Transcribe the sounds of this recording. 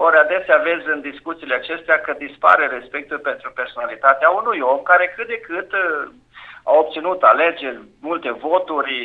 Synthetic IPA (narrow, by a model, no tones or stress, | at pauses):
oɾead̪e̞seave̞zʲɨnd̪iskut̪sileat͡ʃe̞st̪eakəd̪ispa̰ɾe̞ɾe̞spe̞k̚t̪ulpe̞nt̪ɾupe̞rsonalit̪at̪eaunujo̞mkaɾe̞kɨt̪̚d̪e̞kɨt̪ | a̰op̚t̪sinut̪ale̞d͡ʒe̞rʲmult̪e̞vo̞t̪urʲ